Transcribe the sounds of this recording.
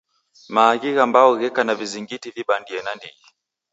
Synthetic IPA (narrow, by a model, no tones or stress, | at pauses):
maːɣiɣambaɔɣɛkanaviziŋɡitiviɓandiɛnandiɣi